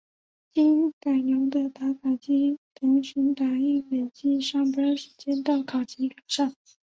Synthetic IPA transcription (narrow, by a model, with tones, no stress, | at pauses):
t͡ɕi˥n˥˩ka˨˩ɪnjʊ˧˥d̪ə˧t̪a˧˥kʰa˨˩t͡ɕi˥t̪ʰɤ˧˥ŋɕy˧˥nt̪a˧˥i˥˩ŋle˨˩ɪt͡ɕi˥˩ʂɑ˥ŋpə˥ʂɻ̩˧˥t͡ɕjɛ˥nt̪ɑ˥˩ʊkʰɑ˨˩ʊt͡ɕʰi˧˥ka˨˩ʂɑ˥˩ŋ